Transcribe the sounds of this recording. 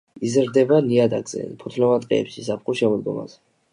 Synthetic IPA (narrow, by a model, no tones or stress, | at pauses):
izɾd̪ɛbaniad̪aɡz̥ɛ̰pʰut̪ʰlɔmat̪ʼqʼɛ̰ɛ̰pʃisap̚ʰχuʃɛmɔd̪̚ɡɔma̰z̥ɛ